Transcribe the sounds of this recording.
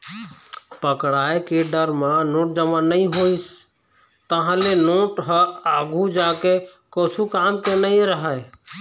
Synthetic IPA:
pəkɽaekeɖəɾmanoʈ̚d͡ʒəmanəĩɦois | t̪əɦãlenoʈɦəaɡʱud͡ʒakekot͡ʃʰukamkenəĩɾəɦə

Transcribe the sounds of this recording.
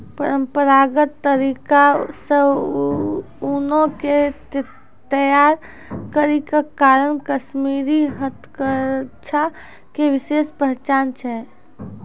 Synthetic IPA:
pəɾəmpəɾaɡət̪ːəɾiːkasə | unõke | t̪əjaːɾ | kəɾikakaːɾənkəʃmiːɾiɦət̪ʰkəɾt͡ʃːʰa | keʋɪʃeːspəɦt͡ʃaːnt͡ʃʰɛ

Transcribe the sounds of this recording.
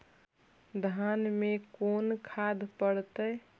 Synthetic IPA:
d̪ʱanmekonkʰad̪pəɽt̪ə

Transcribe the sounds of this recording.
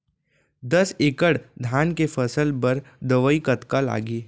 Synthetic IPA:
d̪ɐseːkəɽd̪ʱaːnkefʰɐsəlpɐɾd̪əʋəikɐt̪kala̰ːɡiː

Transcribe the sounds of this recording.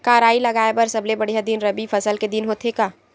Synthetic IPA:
kaːɾaːilɐɡaːebɐɾsɐblebɐɽ̤ijad̪inɾɐbifʰɐsəlked̪ɪnɦoːt̪ʰekaː

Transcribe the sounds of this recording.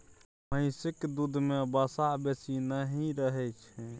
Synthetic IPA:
məɪ̃sɪkd̪ud̪ʱmebəsabesinəɦiɾəɦɛt͡ʃʰɛ̃

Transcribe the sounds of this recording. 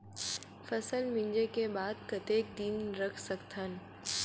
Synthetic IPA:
fɐsəlmɪ̃ɲd͡ʒekebaːd̪̚kɐt̪eːk̚d̪inɾɐkʰsɐkt̪ʰən

